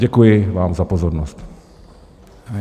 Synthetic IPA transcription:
ɛkujɪʋaːmzapozɔɾnɔst̪

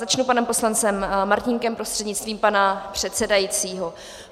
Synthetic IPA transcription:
zat͡ʃnupanɛmpo̞slant͡sɛmmːaɾcɪŋkɛmpɾo̞st̪r̥ɛdɲɪt͡st̪viːmpanapr̝̥ɛt̪sɛdajit͡siːɦo̞

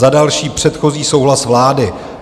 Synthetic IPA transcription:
adalʃiːpr̝̥ɛt̪xo̞ziːso̞wɦlasvlaːdɪ

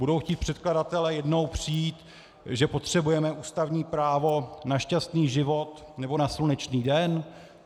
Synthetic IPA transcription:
budo̞wxciːt̪̚pr̥ɛt̪kladat̪ɛlɛjɛdno̞wpr̝̥ijiːt̪ | ʒɛpo̞t̪r̝̥ɛbujɛmɛʔuːst̪avɲiːpɾaːvo̞naʃcast̪niːʒɪvo̞t̪ | nɛbo̞naslunɛt͡ʃniːdɛn

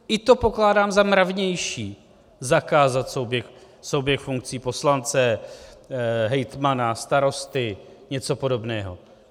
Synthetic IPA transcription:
ʔɪt̪o̞po̞klaːdaːmzamɾavɲɛjʃiː | zakaːzat̪sowbjɛx | sowbjɛxfuŋk̚t͡siːpo̞slant͡sɛ | ɦɛjt̪manast̪aɾo̞st̪ɪ | ɲɛt͡so̞po̞do̞bnɛːɦo̞̰

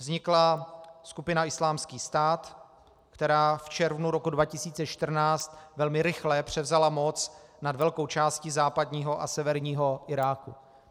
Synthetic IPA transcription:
vzɲɪklaskupɪnaʔɪslaːmskiːst̪aːt̪ | kt̪ɛɾaːft͡ʃɛɾvnuɾokudvacɪsiːt͡sɛt͡ʃt̪r̩naːt͡st̪vɛlmɪɾɪxlɛpr̝̥ɛvzalamot͡snadvɛlko̞wt͡ʃaːscɪzaːpadɲiːɦo̞ʔa̰sɛvɛɾɲiːɦoʔɪɾaːku

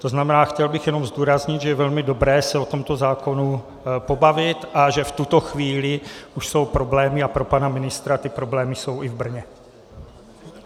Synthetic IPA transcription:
t̪o̞znamɛnaːxcɛlbɪxjɛno̞mzd̪uːɾazɲɪt̪ʒɛjɛvɛlmɪdo̞bɾɛːsɛo̞t̪o̞mt̪ozaːko̞nu | po̞bavɪt̪ʔaʒɛft̪ut̪oxviːlɪʔuʃso̞wpɾo̞blɛːmɪapɾo̞panamɪnɪst̪ɾat̪ɪpɾo̞blɛːmɪso̞wʔɪvbr̩ɲɛ

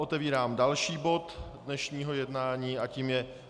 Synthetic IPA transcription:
ʔot̪ɛviːɾaːmdalʃiːbo̞t̪dnɛʃɲiːɦo̞jɛdnaːɲiːʔaciːmjɛ

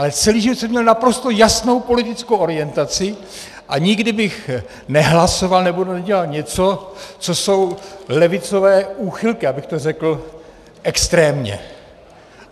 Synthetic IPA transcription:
ʔalɛt͡sɛliːʒɪvot̪sɛmɲɛlnapɾo̞st̪o̞jasno̞wpo̞lɪt̪ɪt͡skowʔo̞ɾɪjɛnt̪at͡sɪ | ʔaɲɪɡdɪbɪx | nɛɦlaso̞valnɛbonɟɛlalɲɛt͡so̞t͡so̞so̞wlɛvɪt͡so̞vɛːuːxɪlkɪabɪxt̪orɛkl̩ | ʔɛkst̪ɾɛːmɲɛ̰

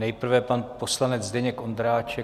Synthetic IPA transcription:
nɛjpr̩vɛpanpo̞slanɛd͡zdɛɲɛko̞nd̪ɾaːt͡ʃɛ

